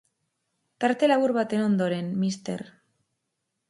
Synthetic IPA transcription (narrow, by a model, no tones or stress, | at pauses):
t̪aɾt̪e̞laβuɾβat̪e̞no̞nd̪o̞ɾe̞nmist̪e̞̰ɾ